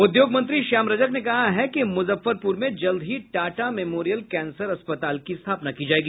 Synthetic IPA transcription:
ʊd̪joːɡmɐ̃nt̪̬ɾiʃaːmɾɐd͡ʒəknekɐɦaɦɛkimʊzəfːəɾpuːɾmẽd͡ʒɐld̪ʱɦiʈaːʈamɛmoːɾijəlkɛːnsəɾɐspət̪aːlkist̪ʰaːpnakid͡ʒaːeːɡiː

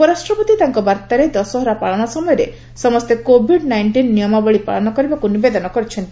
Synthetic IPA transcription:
pɔɾasʈɾɔpɔt̪it̪aŋkɔbaɾt̪aɾed̪ɔsɔɦɔɾapaɭɔɽ̃ɔsɔmɔjɔɾḛ | sɔmɔst̪ekobʱiɖnajɳʈinːijɔmabɔɭipa̰ɭɔnɔkɔɾibakunubed̪ɔnɔkɔɾit͡ʃʰɔnt̪i

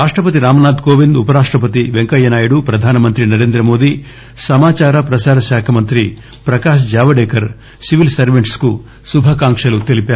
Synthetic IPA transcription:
ɾaːʂʈɾɐpɐt̪̬iɾaːmɐnaːd̪koːʋind̪upɐɾaːʂʈɾɐp̬ɐt̪iʋeŋkɐjːɐnaːjuɽupɾɐd̪ʱaːnɐmɐnt̪ɾinɐɾe̞ːnd̪ɾɐmo̞ːd̪i | sɐmaːt͡ʃaːɾɐpɾɐʃaːɾɐʃaːkʰɐmɐnt̪ɾi | pɾɐkaːʃ̬d͡ʒaːʋɐɽeːkɐɾ | siʋilsɐɾʋeɳʈsku | subʱɐkaːŋkʂɐlut̪e̞lipaːɾ

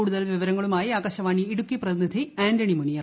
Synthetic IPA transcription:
uːɽuðɐlʋiʋɐɾɐŋːɐɭumaːjiaːɡɐɕɐʋaːɳiiɽukːiprɐðinid̪ʱiaːndɐɳimɐɳijɐr

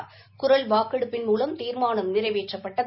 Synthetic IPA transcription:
ɾ | kʊɾɐlʋaːkɐɽɯpːɪnmuːlɐmt̪iːɾmaːnɐmnɪrɐɪʋeːʈrɐpːɐʈːɐð

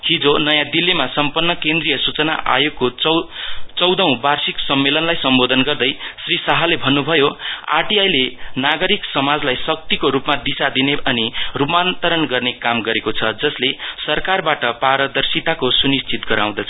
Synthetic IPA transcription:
ɦid͡zonʌjãd̪ilːimasʌmpʌnːʌkend̪rijʌsut͡sʌna̰ʔa̰joɡ̚ko | t͡sʌwd̪ʌũbarsiksʌmːelʌnlajsʌmbod̪ʱʌnɡʌrd̪ʌjsrisaɦalebʱʌnːubʱʌjoa̰ʈiajlenaɡʌɾiksʌmad͡zlajsʌk̚t̪ikoɾupmad̪isad̪ineʌnirupmant̪ʌɾʌnɡʌrnekamɡʌɾekot͡sʰʌd͡zʌslesʌrkarbaʈʌpaɾʌd̪ʌrsit̪akosunist͡sit̪ɡʌɾa̰w̃d̪ʌt͡sʰʌ

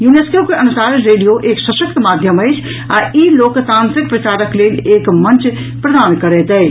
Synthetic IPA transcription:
juːneːskoːpkeɐnusaːɾɾeːɖijoʔeːksɐʃək̚t̪maːd̪ʱjəməɪt͡ʃʰ | aːʔiːloːkt̪ãːnt̪ɾɪk̚pɾɐt͡ʃaːɾəkleːleːkmɐ̃nt͡ʃ | pɾɐd̪aːnkɐɾeːt̪ɛː

